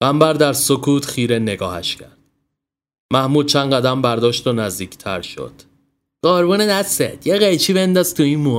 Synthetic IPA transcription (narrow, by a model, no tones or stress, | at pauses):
ɢ̥æmbæɾd̪æɾsokʰuːt̪xiːɾene̞ɡɒ̰ːhæ̰ʃcʰæ̰ɾd̪̥ | mæhmuːd̪̚t͡ʃʰænɢæd̪æmbæɾd̪ɒːʃt̪onæzd̪iːcʰt̪ʰæ̰ɾʃo̞̰d̪̥ | ɢ̥ɒːɾbuːnenæsḛd̪jeɣejt͡ʃʰiːbe̞nd̪ɒːzt̪ʰuinmu